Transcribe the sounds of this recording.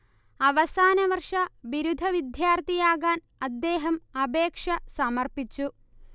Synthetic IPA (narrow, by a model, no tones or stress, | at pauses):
ɐʋɐsaːnɐʋɐrʂɐʋiɾud̪ʱɐʋid̪jaːrt̪ijaːɡaːn | ɐd̪ːeːɦɐmɐbeːkʂɐsɐmɐrpit͡ɕːu